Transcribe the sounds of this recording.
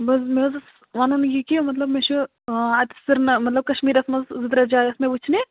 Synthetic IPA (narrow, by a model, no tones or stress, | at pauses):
bɐs̬mezs | ʋɐnunɡikimɐt̪lɐbmet͡ʃʰu | ɐt̪sɨɾnmɐt̪lɐb̚kɐʃmiːɾɐsmɐszɨt̪ɾɐd͡ʒaːɐsmebut͡ʃʰne